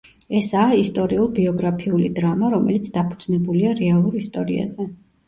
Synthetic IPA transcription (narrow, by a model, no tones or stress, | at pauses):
ɛsaːist̪ʼɔɾiulˠbiɔɡɾapʰiulid̪ɾamaɾɔmɛlit̪sʰd̪apʰud̪z̥nɛbuliaɾɛalˠuɾist̪ʼɔɾḭa̰zɛ